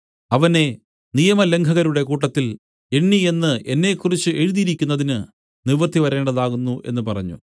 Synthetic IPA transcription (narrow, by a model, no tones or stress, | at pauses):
ɐʋɐne̞ | nijɐmɐle̞ŋɡʰʱɐɣɐɾuɽe̞kuːʈːɐt̪ːil | e̞ɳːie̞nːɨe̞nːe̞kːurit͡ɕːɨʔe̞ɻuðiɾikʲːunːɐðinɨ | niʋɐrt̪ʰːiʋɐɾe̞ːɳɖɐðaːɣunːuʔe̞̰nːɨpɐrɐ̰ɲːṵ